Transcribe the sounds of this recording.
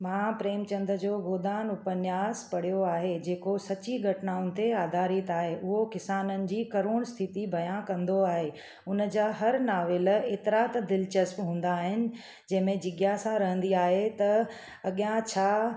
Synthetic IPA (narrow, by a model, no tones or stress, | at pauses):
mãpɾeːmt͡ɕɐ̃nd̪ɾəd͡ʑoːɡoːd̪aːnʊpənjaːspɐɽ̤ijoaːɦed͡ʑeːkosɐt͡ɕiɡʱɐʈnaːʊnɪ̆t̪eaːd̪ʱaːɾit̪aːɦeʔʊɦokɪsaːnənɪ̆d͡ʑiːkɐɾoːɽ̃st̪ʰɪt̪ibʱɐjãkɐ̃nd̪oaːɦeː | ʊnə̆d͡ʑaːɦɐɾnaːʋɪleːt̪ɾaːt̪d̪ɪlt͡ɕɐspɦũːn̆d̪aːɦɪnɪ̆ | d͡ʑɐ̃ɦɪ̃mẽd͡ʑɪɠjasãɾɐɦə̃nd̪iaːɦet̪ɐ | ɐɠijãt͡ɕʰaː